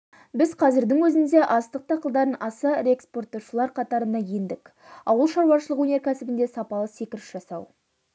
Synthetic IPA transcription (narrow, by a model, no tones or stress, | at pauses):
bɪzqʰɑzɪɾd̪ɪŋwɵzɪnd̪e̞ʔɑst̪əq̚t̪ʰɑqəlˠd̪ɑɾənɑsəɾeekspo̞rt̪oʃəlˠɑɾqʰɑt̪ɑɾənɑje̞nd̪ɪk | ɑ̰wəlˠʃɑɾwɑʃəlˠəqwɵne̞ɾkʲʰæsɪbɪnd̪e̞sɑpɑlˠəse̞kʲɪɾɪʃʒ̥ɑsɑw